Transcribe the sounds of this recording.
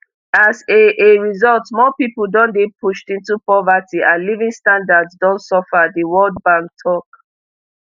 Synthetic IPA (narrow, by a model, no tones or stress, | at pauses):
aseʔeɹizɔltmɔpipəl̩dɔ̃ndepʰuʃtĩntupɹɔvatiʔãlivĩŋstãndadzdɔ̃ntsɔfadiwɔld̚bãŋk̚tʰɔk